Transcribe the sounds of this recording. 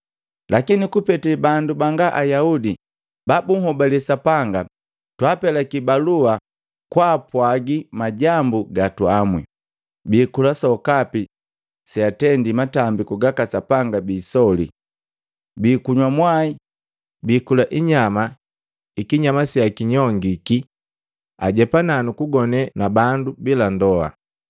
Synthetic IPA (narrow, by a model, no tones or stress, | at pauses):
lʔakinikupɛtɛbandubaŋɡaʔajaudi | babuŋhɔbalɛsapaŋɡa | twaːpɛlakibalua | kwaːpwaɡimaɟambuɡatuamwḭ | biːkulasɔkapi | siatɛndimatambikuɡakasapaŋɡabiːsɔlḭ | biːkuɲwamwai | biːkulaʔiɲama | ikiɲamasiakiɲɔŋɡiki | aɟɛpananukuɡɔnɛnabandubilandɔa̰